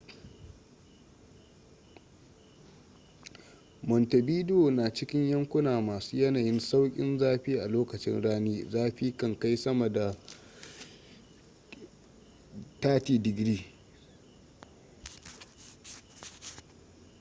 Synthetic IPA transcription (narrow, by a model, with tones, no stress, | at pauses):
mɔ˨ntɐ˨biː˦do˨naː˨t͡ʃɪ˦kʲɪ˦ɲjɐ˦ŋkʷʊ˦naː˨maː˨suː˦jɐ˦naː˨jɪ˦nsa˦wkʲʼɪ̰˦nzaː˦ɸiː˦ʔa˨loː˦kɐ˨t͡ʃɪ̰˦nɽaː˦niː˦zaː˦ɸiː˦kɐ˦˨ŋka˦jsɐ˦mɐ˨da˨ | taː˦tiː˨dɪ˨ɡɾiː˦